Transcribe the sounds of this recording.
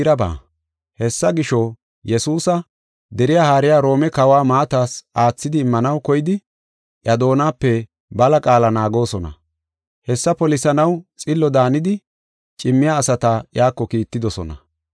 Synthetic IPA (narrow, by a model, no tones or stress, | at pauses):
ɾɐba̰ː | hɛsːɐɡɪʃɔ | jɛsuːsɐ | d̪ɛɾɪjaːhaːɾɪjaːɾo̞ːmɛkɐwaːmaːt̪aːsaːt͡sːɪd̪ɪːmːɐnɐwkɔjɪd̪ɪ | ʔjɐd̪o̞ːnaːpːɛ | bɐlɐkʼaːlɐnaːɡo̞ːsɔnɐ̰ | hɛsːɐpɔlɪsɐnɐwt͡sʼɪlːɔd̪aːnɪd̪ɪ | t͡ʃʼɪmːɪjaːsɐt̪ɐjaːkːɔkiːt̪ːɪd̪ɔsɔ̰nɐ̰